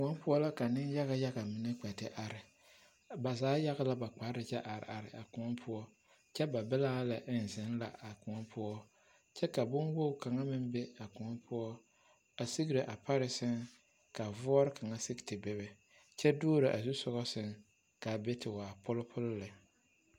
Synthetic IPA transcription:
kʊ˨ŋɔ˦pʊ˦ɔ˦la˦ka˨nɪ˦n˦ja˦ɣa˨ja˦ɣa˨mɪ˨nɛ˦k͡pɛ˨tɪ˨ʔa˨ɾɪ˨ | ba˨zaː˨˦ja˦ɣa˦la˦ba˨k͡pa˨˦ɾɪ˨t͡ʃɛ˦ʔa˨ɾɪ̰˨a˨ɾɪ˨a˨kʊ˨ŋɔ˦pʰʊ˦ɔ˦ | t͡ʃɛ˦ba˨bɛ˦laː˦la˨ʔɪ˦n̩˨zɪ˨˦n˦la̰˨a˨kʊ˨ŋɔ˦pʰʊ˦ɔ˦ | t͡ʃɛ˦ka˨bʊ˦nwo˦˨ka˨ŋa˦mɪ˦nbe˦a˨kʊ˨ŋɔ˦pʰʊ˦ɔ˦ | a˨si˦ɡɾɪ˨ʔa˨pa˦ɾɪ˨sɪ˦ŋ | ka˨vʊ˦ɔ˦ɾɪ˦ka˨ŋa˦sɪ˦ktɪ˨bɪ˦βɛ˨ | t͡ʃɛ˦dʊː˦ɾɪ˨ʔa̰˨zu˦sɔ˦ɣɔ˦sɪ˦ŋ | ka˨be˦tʰɪ˨waː˨pʊ˦lʊ˦pʰʊ˦lʊ˦lɪ˨

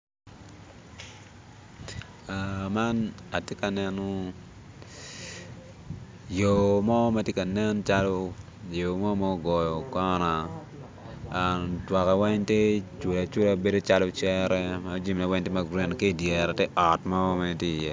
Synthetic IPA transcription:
a˨ma˦na˨tje˦ka˨nɛ˦nɔ˦ | jo˨mɔ˦ma˦tje˦ka˨nɛ˦nt͡ʃa˦lɔ˦ | jo˨mɔ˦mɔ˦ɡɔ˨jɔ˨kɔ˦na˨ | a˨twa˨kɛ˨wɛ˦ɲte˦t͡ʃwe˨a˨t͡ʃu˦la˦be˦do˦t͡ʃa˦lo˦t͡ʃɛ˦ɾɛ˦ma˦d͡ʒi˦mna˨wɛ˦ɲti˦ma˨ɡɾe˦n˨ke˦˨djɛ˨ɾa˨te˦ʔɔ˨tmɔ˦ma˦˨tje˦˨jɛ˦˨

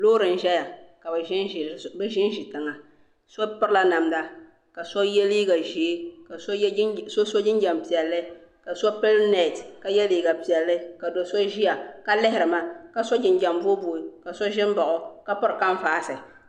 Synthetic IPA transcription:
loː˦ɾɨ˨n̩˨ʒɛ˦ja˨ka˨bʒɪ˦n˨bɛ˦ʒɪ˦n˦ʒi˨tɨ˨ŋa˨ | so˦pɨ˦ɾla˦na˨mda˦ | ka˨so˦jɛ˦liː˦ɡa˨ʒi˨˦ka˨˦so˦so˦d͡ʒɪ˦nd͡ʒɛ˨mpi˨ɛ˨lːɨ˦ | ka˨so˦pɨ˦lna˦˨tka˨jɛ˦liː˦ɡa˨pi˨ɛ˨lːɨ˦ka˨do˨so˦ʒi˦ja˨ka˦lɪ˦hɪ˨ɾɨ˨ma˨ka˨so˦d͡ʒɪ˨nd͡ʒɛ˨mbo˦bo˨i˨ka˨so˦ʒɪ˦mba˨ʔʊ˦ka˦pʊ˦ɾɨ˨ka˦ɱ˦faː˨˦sɨ˨

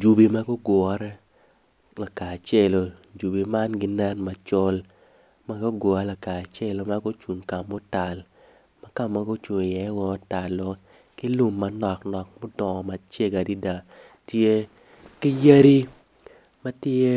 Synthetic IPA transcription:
d͡ʒu˨bi˨ma˦ɡo˦ɡɔ˨˦ɾɛ˦ | la˨ka˨t͡ʃe˦lo˨ | d͡ʒu˨bi˨ma˦nɡɪ˦nɛ˦nma˨t͡ʃo˦l | ma˦ɡo˦ɡɔ˨a˦la˨kaː˨t͡ʃe˦lo˨ma˦ɡo˦t͡ʃu˨ŋka˨mːo˦ta˨l | ma˦ka˨ma˦ɡo˦t͡ʃu˨ŋ˨jɛ˨˦wɔ˦ta˨lo˦ | kɪ˦lu˦mːa˨nɔ˨knɔ˨k̚mo˦dɔ˨ɔ˨ma˨t͡ʃe˦ɡa˨di˦da˨ | tje˦ | kɪ˦ja˦ɾi˦ | ma˦tje˦

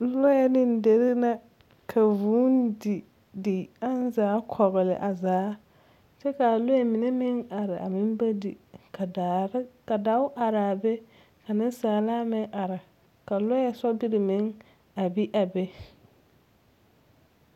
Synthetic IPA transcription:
lʊ˦jɛ˦nɪ˦n˦de˨ɾɪ˦na˦ | kʰa˨vuː˦n˦di˨ | dɪ˨a˦n˦zaː˨˦kʰɔ˨ɣɪ˨lɪ̰˨ʔa˨zaː˨˦ | t͡ʃɛ˦ka˨lʊ˦jɛ˦mɪ˨ne˦mɪ˦ŋa˨ɾɪ˨a̰˨mɪ˦m˦ba˦di˨˦ | ka˨da˨˦ʊ˦ʔa˨ɾɪ˨a˨bɛ˦ | ka˨nɪ˦n˦saː˨laː˦mɪ˦ŋʔa˨ɾɪ˨ | ka˨lʊ˦jɛ˦sɔ˦bɪ˦ɾɪ˨mɪ˨˦ŋ | a˨bi˦ʔa˨bɛ˦

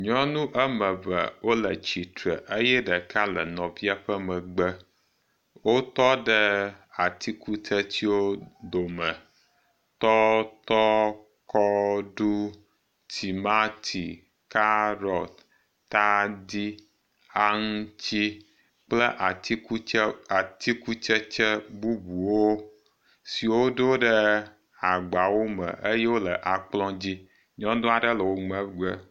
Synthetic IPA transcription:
ɲɔ̃˦nũ˦ʔə˦mə̃˨və̰˨wo˦lə̰˨t͡ɕi˨t̪ɾə̰˨ʔə˦jɛ˦ɖə˨ka˦lə˨nɔ̃˨vi˦a˦ɸə˦mə̃˨ɡ͡bə˦ | wo˦t̪ɔ˦ɖə˦a˨t̪i˦ku˦t̪ʰə˦t͡ɕ̪i˦wo˦d̪o˨mə̃˨ | t̪ɔ˦t̪ɔ˦ | kɔ˦ɖu˦ | t̪ʰi˨ma˦t̪ʰi˨ | ka˦ɾɔ˨t̪ | t̪a˦di˦ | a˦ŋu˦t͡ɕi˦ | k͡plə˦ʔa˨i˦a˨t̪i˦ku˦t͡ʃə˦t͡ʃə˦bu˦bu˨wo˦ | si˨wo˦ɖo˦ɖə˦ | a˨ɡ͡ba˨wo˦mə̰̃˨ʔe˦je˦wo˦lə˨ʔa˨k͡plɔ̃˦d͡ʑi˦ | ɲɔ̃˦d̪o˦a˨ɖə˦lə˨wo˦ŋ͡mə̃˦ɡ͡bɛ˦

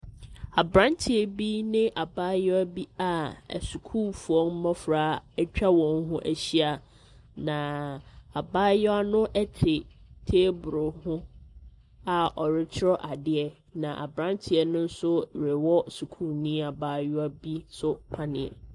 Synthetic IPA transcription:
a˨bɾã˦ntʰɪ˨ɛ˨bi˦nɪ̃˦ʔa˨baː˦jʊ˦a˦bi˦a̰˨su˨kʰu˦˨fu˨ɔ˦m̩˦mɔ̃˦fɾaː˨˦ɛ˦t͡ɕᶣa˦wɔ̃˨nɦʊ̃˦ʔæ˨ɕi˦a˨ | nã˨a˨baː˦jɔ˦a˦nʊ̃˦ʔɛ˦tʰɪ˨ɾɪ˨tʰeː˦bʊ˨ɾʊ˨hʊ̃˦ | a˨ɔ˨ɾɪ˦t͡ɕʰɪ˦ɾɔ˦ʔa˨dɪ˦ɛ˨ | nã˨ʔa̰˨bɾã˦ntʰɪ˨ɛ˨nʊ̃˦n̩˦sʊ˦˨ɾe˨wɔ˦su˨kʰu˦˨nĩ˦a˨baː˦jʊ˦a˦bi˦sʊ˦pʰa˦nɪ̰̃˨ɛ̰˨

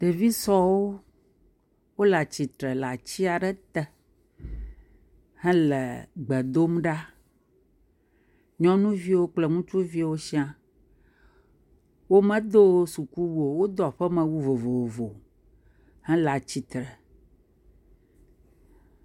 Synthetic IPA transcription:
ɖe˨vi˦sɔ˦wo˦ | wo˦la˨t͡ɕi˨t̪ɾɛ˨la˨t͡ɕi˦a˨ɖɛ˦t̪ɛ˨ | hɛ̃˦lɛ˨ɡ͡bɛ˨d̪o˦mɖa˦ | ɲɔ̃˦nũ˦vi˦wo˦k͡plɛ˨ŋũ˦t͡ʃu˦vi˦wo˦ʃi˦ã˦ | wo˦mɛ̃˦d̪o˦su˨ku˦wu˨o˨wo˦d̪ɔ˨ɸɛ˦mɛ̃˨wu˦vo˨vo˨vo˨vo˨ | hɛ̃˦la˨t͡ɕi˨t̪ɾɛ˨

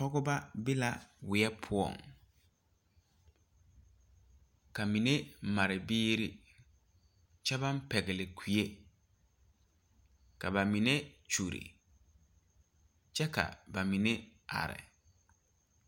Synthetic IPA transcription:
ɔ˦ɡʊ˦ba˦bɪ˦la˦wɪ˨ɛ˦pʰʊ˦ɔ̰˨ŋ | kʰa˨mĩ˨nẽ˦m̩˨ma˨ɾɪ˨bɪː˦ɾi˦ | t͡ɕʰɛ˦bã˦m̩˦pʰɛ˨ɡɪ˨lɪ˨kʰi˨e˦ | kʰa˨ba˨mĩ˨nẽ˦t͡ʃʰu˨ɾḭ˨ | t͡ɕʰɛ˦kʰa̰˨ba˨mĩ˨nɛ̃˦a̰˨ɾɪ̰˨

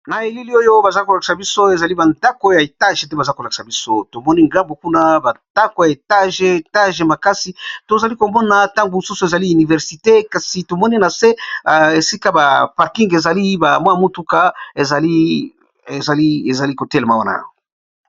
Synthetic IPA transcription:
na˨e˨li˦li˦o˦jo˦ba˨za˦iko˨la˨ki̥˨sa˨bi˦so˦e˨za˨li˦ba˨nda˦ko˦ja˨e˨ta˦ʒe˨tɛ˦ba˨za˦ko˨la˨ki̥˨sa˨bi˦so˦to˨mɔ˦ni˦ŋɡa˦mbo˨ku˦na˦ba˨nda˦ko˨ja˨e˨ta˦ʒe˨e˨ta˦ʒe˨ma˨ka˦si˨to˨za˨li˦ko˨mɔ˦na˨ta˦ŋɡo˨su˦so˨e˨za˨li˦y˨ni˨vɛ˨ʁsi˨te˦ka˨si˨to˨mɔ˦ni˦na˨se˦˨e˨si˦ka˦ba˨pa˨ʁki˦ŋɡe˨za˨li˦ba˨mwa˦˨mu˦tu˦ka˦˨e˨za˨li˦ | e˨za˨li˦e˨za˨li˦ko˨te˦le˨ma˦wa˦na̰˨ja̰˨o˨

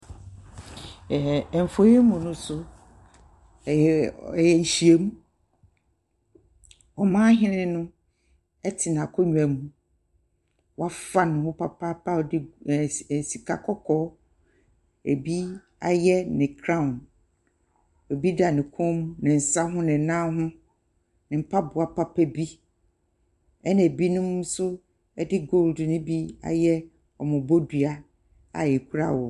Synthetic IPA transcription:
ɱ̩˨fo˨˦e˦mũ˨nʊ̃˦sʊ˦˨ | jɛ˨n̩˨ɕi˨e˦mũ˦ | ɔ˨mãː˦ɦɪ̃˦nɪ̃˦nʊ̃˦ | ɛ˦tʰɪ˨nã˨kʰɔ˦ɲᶣ˨ɛ˨mũ˨ | wa˦fa˦nʊ̃˨hʊ̃˦pʰa˦˨pʰa˦pʰa˦˨dɪ˦˨ | si˨kʰa̰˨kʰɔ˦kʰɔ˦ | e˨bi˦ | a̰˨jɛ˦nɪ̃˨kʰɾã˦˨n | ɔ˨bi˦da˨nɪ̃˨kʰʊ̃˦m̃˦nɪ̃˨n̩˨sa˦ɦʊ̃˦nɪ̃˨nã˦ɦʊ̃˦ | nɪ̃˨m̩˨pʰa˦bʊ˨a˨pʰa˦pʰɛ˦bi˦ | ɛ˦nã˨bi˦nʊ̃˦m˦sʊ˦ | ɛ˦dɪ˦ɡo˦˨ldnʊ̃˦bi˦a̰˨jɛ˦ | ɔ˨mʊ̃˨bo˦dɥa˦ | a̰˨jɛ˨kʰu˦ɾa̰˦˨wɔ˨

